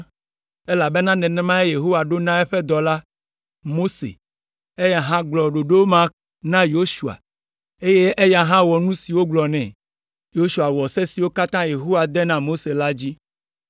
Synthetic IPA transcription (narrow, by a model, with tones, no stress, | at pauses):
e˦la˨be˦nã˦nɛ̃˨nɛ̃˦mã˦e˦je˨ɦo˦wa˨ɖo˦nã˦ɛ˦ɸɛ˦d̪ɔ˨la˦ | mo˦sḛ˨ | e˦ja˨ɦã˦ɡ͡blɔ˨ɖo˨ɖo˦wo˦mã˦ | nã˦jo˦ʃu˨a̰˨ | e˦je˦ʔe˦ja˨ɦã˦wɔ˨nũ˦si˨wo˦ɡ͡blɔ˨nɛ̰̃˨ | jo˦ʃu˨a˨wɔ˨se˦si˨wo˦ka˦t̪ã˦je˨ɦo˦wa˨d̪ɛ˦nã˨mo˦se˨la˦d͡ʑi˦